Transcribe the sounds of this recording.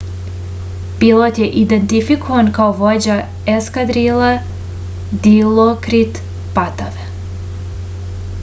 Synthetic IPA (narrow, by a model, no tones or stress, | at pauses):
b̥ilˠot̪jeʔid̪ent̪ifikovankaoʋod͡ʑa | eskad̪ɾilˠa | d̪ilˠokɾit̪ | pat̪aʋe